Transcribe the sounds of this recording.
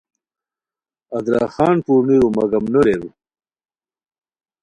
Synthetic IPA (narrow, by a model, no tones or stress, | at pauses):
ɐd̪ɾɑ̰ːxɑːnpuːɾniɾumɐɡɐmnoɾeɾu